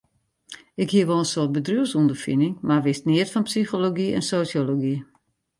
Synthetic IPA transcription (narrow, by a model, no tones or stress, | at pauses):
ɪkhiəʋɔlˠənsoət̚bədryəsundəfinɪŋmaʋɪstniətfɔnpsixoloɡiɛ̰nsoːsjoloɡi